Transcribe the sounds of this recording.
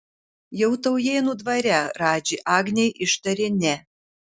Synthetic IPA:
jɛʊt̪ɐʊjeːnuːd̪ʋɐɾʲɛɾɑːd͡ʒʲiʔɑːɡnʲɛjʔɪʃt̪ɐɾʲɪnʲɛ

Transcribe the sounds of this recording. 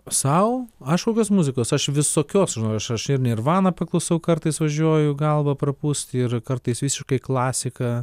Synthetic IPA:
sɐʊɐʃkoːkʲoːsmʊzʲɪkoːsɐʃʋʲɪsoːkʲoːsʒʲɪnɐʊɐʃɐʃɪɾʲnʲɪɪrʋɑːnɐpɐklˠɐʊsʲɐʊkɐrt̪ɐɪsʋɐʒʲuɔjʊɡɐlˠʋɐpɾɐpusʲt̪ʲɪɪrkɐrt̪ɐɪsʋʲiːsʲɪʃkɐɪklˠɑːsʲɪkɐ

